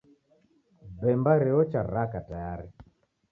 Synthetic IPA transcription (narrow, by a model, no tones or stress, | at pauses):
bɛmbaɾɛɔt͡ʃaɾakatajaɾi